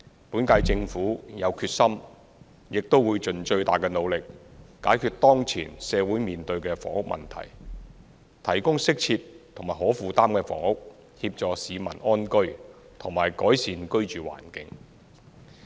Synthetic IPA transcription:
puː˨˥nkaː˧jt͡sɪ˧ŋfuː˨˥jɐ˨˧wkʰyː˧t̚sɐ˥m | jɪ˨k̚t̪o˥wːuː˨˧jt͡sɵ˨nt͡ʃɵ˧ɥt̪a̰ː˨jkɛː˧no˨˧wlɪ˨k̚ːaː˨˥jkʰyː˧t̚t̪ɔː˥ŋt͡sʰḭː˨˩nsɛː˨˧wuː˨˥jmiː˨nt̪ɵ˧ɥkɛː˧fɔ̰ː˨˩ŋhʊ˥k̚mɐ̰˨nt̪ʰɐ̰˨˩j | t̪ʰɐ˨˩jkʊ˥ŋsɪ˥k̚t͡sʰiː˧p̚t̪ʰʊ˨˩ŋmaː˨˩hɔː˨˥fuː˨t̪aː˥mkɛː˧fɔ̰ː˨˩ŋhʊ˥k̚ | hiː˧p̚t͡ʃɔː˨siː˨˧mɐ˨˩nʔɔː˥nkɵ˥ɥ | t̪ʰʊ˨˩ŋmaː˨˩jkɔː˨˥jsiː˨˧nkɵ˥ɥt͡ʃyː˨wa̰ː˨˩nkɪ̰˨˥ŋ

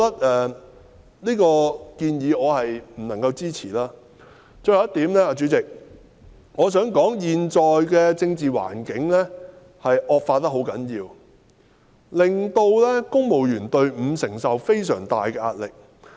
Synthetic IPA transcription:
t̪ɐ˥t̚ʔɛː˧ | liː˥kɔː˧kiː˧njiː˨˧ɔː˨˧hɐ˨jm̩˨˩nɐ˨˩ŋkɐ˧wt͡siː˥t͡sʰiː˨˩laː˥ | t͡sɵː˧jɐ˨˦jɐ˥t̪iː˨˥mnɛː˥aː˧t͡ʃyː˨˥t͡sɪ˨k̚ | ŋɔː˨˧s̬œː˨˥ŋkɔː˨˥ŋjiː˨nt͡ʃɔː˨jkɛː˧t͡sɪ˧ŋt͡siː˨˩wa̰ː˨˩nkɪ˨˥ŋlɛː˥ | hɐ˨jʔɔː˨˧k̚faː˧t̚t̪ɐ˥hɦo˨˥wkɐ˨˥njiː˧w | lɪ˨ŋt̪o˧wlɛː˥kʊ˥ŋmo˨wjyː˨˩nt̪ɵ˧ɥm̩˨˧˥sɪ˨˩ŋsɐ˨wfe˥jsœ̰ː˨˩ŋt̪a̰ː˨jkɛː˧ʔa̰ː˧t̚lɪ˨k̚

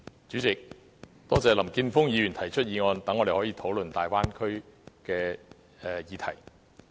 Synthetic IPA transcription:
t͡syː˨˥t͡sɪ˨k̚ | t̪ɔː˥t͡sɛː˨˧lɐ˨˩mkiː˧nfʊ˥ŋjiː˨˧ɥy˨˩nt̪ʰɐ˨˩jt͡ʃʰɵ˥t̚jiː˨˧ŋɔː˧nt̪ɐ˨˥ŋːɔː˨˧ɾe˨˩hɔː˨˥jiː˧t̪ʰo˨˥wlɵ˨nt̪aː˨jwaː˥nkʰɵ˥ɥkɛː˧ | ɛː˨jiː˨˧t̪ʰɐ˨˩j

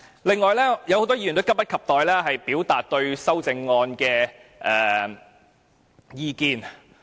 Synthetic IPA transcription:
lɪ˨ŋːɔː˨˧jlɛː˥jɐ˨who˨˥t̪ɔː˥ji˧˨y˨˩t̪kɐ˥pːɐ˥t̚kʰɐ˨p̚t̪ɔː˨jlɛː˥ɦɐ˨jpiː˨˥wt̪aː˨t̚t̪ɵ˧ɥsɐ˥wt͡sɪ˧ŋːɔː˧nkɛː˧ʔɛː˨ | jiː˧kiː˧n

